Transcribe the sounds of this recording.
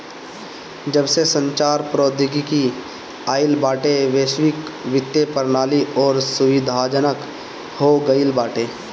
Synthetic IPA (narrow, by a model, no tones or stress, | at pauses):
d͡ʒəbsesə̃ɲt͡ʃaːɾpɾoːd̪ʱɪɡiki | aːɪlbaːʈeʋeːʃwɪkʋɪt̪ːjepəɾnaːliʔɔːɾsʊʋɪd̪ʱaːd͡ʒənək | hoɡəɪlbaːʈeː